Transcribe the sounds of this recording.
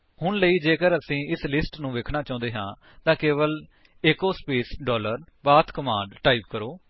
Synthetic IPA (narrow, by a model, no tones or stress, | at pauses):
hʊnləiːd͡ʒeːkəɾəsĩːɪslɪsʈnũːʋeːkʰnaːt͡ʃãːnd̪eːɦãː | t̪ãːkeːʋəl | eːkoːspeːsɖɔːləɾ | baːt̪ʰkəmãːɳɖʈaːiːp̚kəɾoː